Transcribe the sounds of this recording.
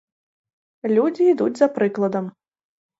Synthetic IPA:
lʲud͡zʲiːd̪ud͡zʲzɐpɾɨklˠɐd̪ɐm

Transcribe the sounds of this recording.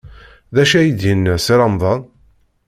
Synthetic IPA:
ðæʃæjid̪jənːəsiɾɑmðˤɑnˤ

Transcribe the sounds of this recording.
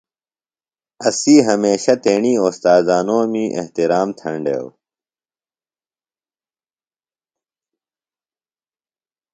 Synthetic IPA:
ɐsiːɦɐmeːɕɐt̪eːɳiːost̪aːzaːnoːmiːʔḛht̪iɾaːmt̪ʰɐɳɖḛːw

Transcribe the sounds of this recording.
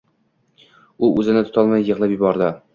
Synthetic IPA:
ʊʔɵzɪnɪt̪ʰʊ̥t̪ʰɒlˠmajːɤʁlˠɪpjɪbɒɾd̪ɪ

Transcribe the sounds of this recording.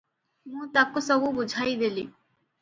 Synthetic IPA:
mũt̪akosɔbubud͡ʑʱajd̪eli

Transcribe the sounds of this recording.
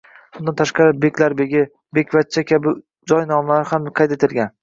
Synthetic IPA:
bʊnd̪ant̪ʰaʃqɑɾɪbekʲlaɾbe̞ɡʲɪ | be̞kʲvat̪̚t͡ʃʰːakʲabɪ | d͡ʒɒjnɒmlaɾhamqʰɑjt̪et̪ʰɪlɡʲan

